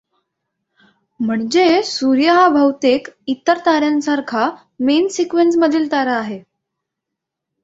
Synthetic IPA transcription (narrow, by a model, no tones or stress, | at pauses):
m̤əɳd͡ʑesuɾjəɦabʱəwt̪ekit̪ːəɾt̪aɾjansaɾkʰa | mensikʋensməd̪ʱilt̪aɾəːɦe